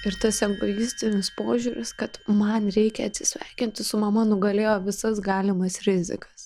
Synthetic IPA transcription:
ɪɾt̪ɐsɛŋɡbɐjɪsʲt̪ʲɪnʲɪspoːʒʲuːɾʲɪskɐt̪mɐnɾʲɛɪkʲɛɐt̪ʲsʲɪ̥sʲʋʲɛɪkʲɪnʲt̪ʲɪsʊmɐmɐnʊɡɐlʲeːjoːʋʲɪsɐsɡɑːlʲɪmɐsɾʲɪzʲɪ̰kɐ̥s

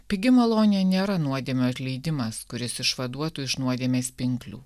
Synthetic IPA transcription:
pʲɪɡʲɪmɐlˠoːnʲɪjɛnʲeːɾɐnuɔd̪ʲieːmʲoɐt̪ʲlʲɛɪd̪ʲɪmɐskʊɾʲɪsɪʃʋɐd̪uɔt̪uːɪʃnuɔd̪ʲieːmʲeːspʲɪŋklʲṵː

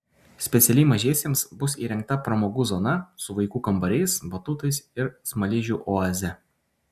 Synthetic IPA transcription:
sʲpʲɛt̪sʲɛlʲɛɪmɐʒʲeːsʲeːmsbʊsḭːɾʲɛŋk̚t̪ɐpɾɐmoːɡuːzɔnɐsʊʋɐɪkuːkɐmbɐɾʲɛɪsbɐt̪ʊt̪ɐɪsɪɾsmɐlʲɪʒʲuːˑʔoːɐzʲɛ

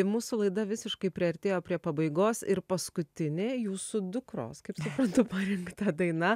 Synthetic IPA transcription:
muːsʊlˠɐɪd̪ɐʋʲɪsʲɪʃkɐɪpʲɾʲɪɐɾʲt̪ʲeːjoːpʲɾʲiɛpɐbɐɪɡoːsɪɾpɐskʊt̪ʲɪnʲeːjuːsuːd̪ʊkɾo̰ːskɐɪpsʊpɾɐnt̪ʊpɐɾʲɪŋkt̪ɐd̪ɐɪnɐ

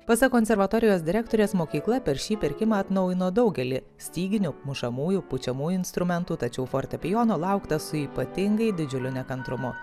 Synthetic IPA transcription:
pɐsʲɐkoːnsʲɛɾʋɐt̪oːɾʲɪjoːsd̪ʲɪɾʲæːkt̪oːɾʲeːsmoːkʲiːklˠɐpʲɛɾʃʲiːpʲɪɾʲkʲɪmɑːɐt̪nɒʊjɪnoːd̪ɒʊɡʲɛlʲɪ | sʲt̪ʲiːɡʲɪnʲʊmʊʃɐmuːjupʊt͡ʃʲɛmuːjʊɪnst̪ɾʊmʲɛnt̪uːt̪ɐt͡ʃʲɛʊfoːɾʲt̪ʲɛpʲɪjoːnoːlˠɐʊkt̪ɐsʊiːpɐt̪ʲɪŋɡɐɪd̪ʲɪd͡ʒʲʊlʲʊnʲɛkɐnt̪ɾʊmʊ

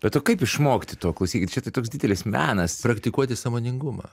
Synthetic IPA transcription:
bʲɛt̪oːkɐɪpɪʃmoːkʲt̪ʲɪt̪oːklˠɐʊsʲiːkʲt̪ʲt͡ʃʲɛt̪ɐɪt̪oːksd̪ʲɪd̪ʲɛlʲɪsmʲæːnɐspɾɐkt̪ʲɪkuɔt̪ʲɪsɐmoːnʲɪŋɡʊmɐ̰ː

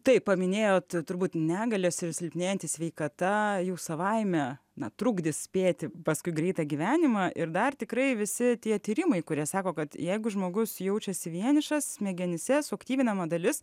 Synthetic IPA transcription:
t̪ɐɪppɐmʲɪnʲeːjoːt̪t̪ʊrbuːt̪nʲæːɡɐlʲosɪɾsʲɪlʲpʲnʲeːjɛnt̪ʲiːsʲʋʲɛɪkɐt̪ɐjɛʊsɐʋɐɪmʲɛ | nɐt̪ɾʊɡd̪ʲɪssʲpʲeːt̪ʲɪpɐskʊɪɡɾʲɛɪt̪ɑːɡʲiʋʲæːnʲɪmɑʔɪrd̪ɐrt̪ʲɪkɾɐɪʋʲɪsʲɪt̪ʲiɛt̪ʲiːɾʲɪmɐɪkʊɾʲiɛsɑːkoːkɐt̪jɛɪɡʊʒmoːɡʊsjɛʊt͡ʃʲɛsʲɪʋʲiɛnʲɪʃɐsmʲɛɡʲɛnʲɪsʲɛsʊɐkt̪ʲiːʋʲɪnɐmɐd̪ɐlʲɪs

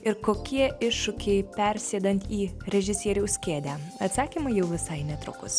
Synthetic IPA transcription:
ɪɾkoːkʲiɛɪʃːʊkʲɛɪpʲɛɾʲsʲeːd̪ɐnʲt̪ʲiːɾʲɛʒʲɪsʲiɛɾʲuʊsʲkʲeːd̪ʲæːɐt̪sɑːkʲimɐɪjɛʊʋʲɪsɐɪnʲɛt̪ɾʊ̰kʊs

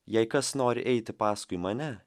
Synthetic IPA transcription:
jɛɪkɐsnoːɾʲɪ̰ʔɛɪt̪ʲɪpɑːskʊɪmɐnʲɛ

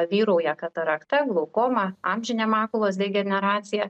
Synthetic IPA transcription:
ʋʲiːɾɐʊjɛkɐt̪ɐɾɐkt̪ɐɡlˠoʊkoːmɐɑmʲʒʲɪnʲɛmɑːkʊlˠoːs̬d̪ʲɛɡʲɛnʲɛɾɑːt̪sʲɪjɛ

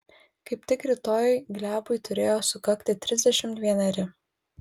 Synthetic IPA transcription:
kɐɪpʲt̪ʲɪkɾʲɪt̪oːjɡlʲæːbʊjt̪ʊɾʲeːjoːsʊkɐkt̪ʲɪt̪ʲɾʲɪzʲd̪ʲɛʃʲɪmt̪ʋʲiɛnʲɐɾʲɪ

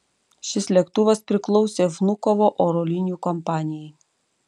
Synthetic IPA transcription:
ʃʲɪslʲɛkt̪ʊʋɐspʲɾʲɪklˠɔʊsʲeːʒnʊkɔʋoːʔoɾolʲɪnʲjuːˑkɔmpɑːnʲɪjɛɪ

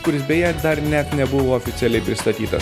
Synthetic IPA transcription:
kʊɾʲɪsbʲɛjɛd̪ɐɾnʲɛt̪nʲɛbʊʋoːofʲɪt̪sʲɛlʲɛɪpʲɾʲɪst̪ɐt̪ʲiːt̪ɐs

